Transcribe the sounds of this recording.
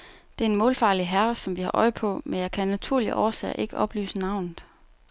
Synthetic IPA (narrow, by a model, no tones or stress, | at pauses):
d̥e̝ɐenmɔ̽ːlfɑ̈ːliɦæɐsɒ̽mʋihɑ̈ʔɒɪpʰɒ̽menjɑ̈ɪkʰænæt͡sʰuɐ̰liʔɒɐsɛ̰ːʔe̝ɡ̥əʔɒ̽b̥ly̰ːsənɑ̈ʊ̰nð̩ˠ